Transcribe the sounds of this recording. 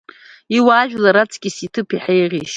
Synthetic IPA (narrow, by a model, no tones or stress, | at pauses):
iwaːʒᶣlaɾat͡sʰʼkʲʼisitʰɨpʰiħejʁʲiʃ